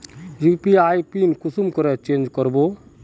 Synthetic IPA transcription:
jupiajpinkusumkɔɾɛt͡ʃend͡ʒkɔɾbo

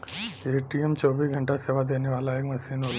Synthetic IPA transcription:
eʈiemt͡ʃoːbisɡʱəɳʈaseːʋad̪eːneʋaːlaeːkmɐsiːnol

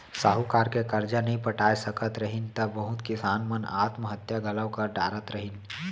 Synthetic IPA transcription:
saːɦukaːɾkekɐɾd͡ʒanɐɦĩpɐʈaːjsɐkət̪ɾɐɦint̪ɐʋəɦʊt̪kɪsaːnməna̰ːt̪məɦət̪jaɡʱɐləwkəɾɖaːɾət̪ɾɐɦɪn

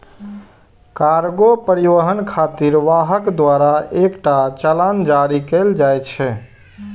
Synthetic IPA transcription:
kaɾɡopəɾiʋəɦənkʰat̪iɾʋaɦəkd̪waɾaekʈat͡ʃəland͡ʒaɾikeld͡ʒajt͡ʃʰɛ

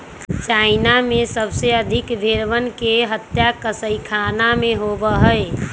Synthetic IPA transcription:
t͡ʃaːɪnamẽsəbseəd̪ʱɪkbʱeɾʋənkeɦət̪ːjakəsəikʰaːnamẽɦobəɦəe

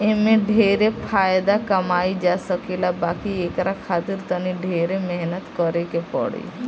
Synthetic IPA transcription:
emẽɖʱeɾepʰaːjd̪akəmaid͡ʒasəkelabakiekɾakʰat̪iɾt̪əniɖʱeɾemɛɦnət̪kɔɾekepɔ̰ɽḭ

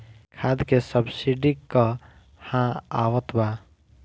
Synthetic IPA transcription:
kʰad̪kesəbsiɖikːə | hãawət̪ba

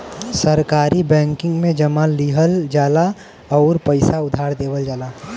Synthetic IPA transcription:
səɾkaːɾibɛ̃ːŋkɪ̃ŋɡmẽd͡ʒɐmaliɦəld͡ʒaːla | ɔːɾpəɪsaʊd̪ʱaːɾd̪eːʋəld͡ʒaːlaː

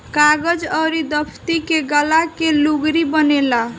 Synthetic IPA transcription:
kaɡəd͡ʒəɾid̪əpʰt̪ikeɡəlakeluɡɾibənela

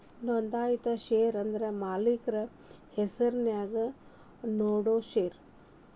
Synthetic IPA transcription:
nɔnd̪aːjit̪ɐʃeːɾɐnd̪ɐɾemaːlikɾɐ | hesɐɾnjaːɡɐ | noːɽoːʃeːɾ

